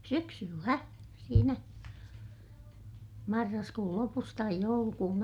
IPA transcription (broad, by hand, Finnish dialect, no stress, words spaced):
syksylːæ siːnæ mɑrːɑskuːl lopus tɑij joulukuːn